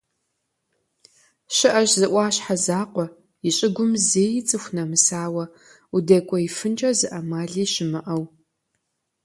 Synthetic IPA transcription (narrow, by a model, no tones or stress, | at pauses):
ʃɪʔɐɕzɨʔʷɑːɕħazaːqʷɔ | iɕʼɪɡʷʊmzeːjɪt͡sʼɨxʷnɐmɨsaːwɐ | udɐkʷʼɔifɨnt͡ʃʼɐzɨʔɐmaːɮiːɕɪmɨʔɐw